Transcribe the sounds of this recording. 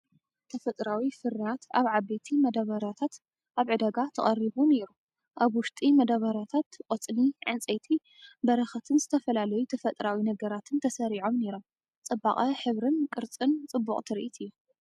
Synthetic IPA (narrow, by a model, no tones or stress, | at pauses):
t̪ʰɐfɐt̪ʼɾawifɨɾat̪aβʕaβet̪ʰimɐd̪ɐβɐɾat̪ʰat̪ | ʔaβʕɨd̪ɐɡat̪ʰɐχʼɐriβune̞ɾu | ʔaβwʊʃt̪ʼimɐd̪aβɐɾat̪ʰat̪qʼot͡sʼniʕɨnt͡sʼejt̪ʰi | bɐɾɐxɐt̪ʰɨnzɨt̪ʰɐfɐlalɐjut̪ʰɐfɐt̪ʼɾawinɐɡɐɾat̪ʰɨnt̪ʰɐsɐɾiʕo̞mne̞ɾo̞m | t͡sʼɨba̰χʼɐħɨβɾɨnkʼɨɾt͡sʼɨnt͡sʼɨbːukʼt̪ʰɨɾiʔit̪ʰɨjːu